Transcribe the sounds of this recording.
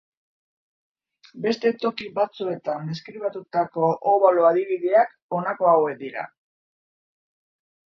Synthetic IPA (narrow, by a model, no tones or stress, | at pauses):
be̞st̪e̞t̪o̞kiβat͡sue̞t̪ane̞skɾiβ̞at̪ut̪ako̞ʔoβaloaðiβiðeak | o̞nako̞awe̞k̚d̪iɾa̰